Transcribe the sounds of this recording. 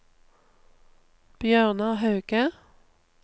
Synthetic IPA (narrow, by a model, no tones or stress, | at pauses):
b̥jœːʁnɑhɑʉkə